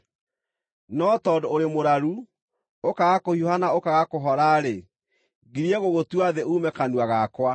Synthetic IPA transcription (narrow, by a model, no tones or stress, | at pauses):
nɔtɔːdoːɾemoɾaɾu | okaɣakohiohanaokaɣakoɦɔɾaɾe | ɡiɾiɛɣoɣotwaðeuːmɛkanwaɣakwa